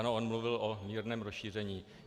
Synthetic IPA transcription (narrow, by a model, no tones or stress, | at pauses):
noʔonmluvɪlʔomiːɾnɛːmɾosʃiːr̝ɛɲiː